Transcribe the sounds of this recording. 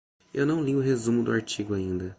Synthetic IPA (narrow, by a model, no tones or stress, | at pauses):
ewnɐ̃w̃liʊɦezũmʊd̪ʊ̰aɾt͡ʃiɡʊaĩnd̪ɐ